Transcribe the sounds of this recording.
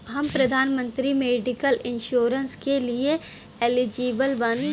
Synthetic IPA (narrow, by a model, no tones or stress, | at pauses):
ɦɐmpɾɐd̪ʱaːnmə̃nt̪ɾimeːɖɪkəlɪ̃nʃoːɾənskelie | eːlɪd͡ʒiːbəlʋaːn